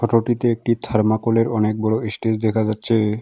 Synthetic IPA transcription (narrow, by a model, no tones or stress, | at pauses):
kʰɔʈoʈit̪eek̚ʈit̪ʰaɾmakoleɾɔnek̚bɔɽoesʈid͡ʑd̪ɛkʰad͡ʑatːɕʰe